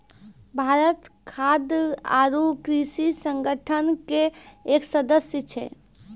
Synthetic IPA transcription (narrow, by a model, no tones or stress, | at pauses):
bʱaɾət̪kʰad̪a̰ɾukɾisisəŋɡəʈʰənkeːksəd̪əsjət͡ʃʰɛ̰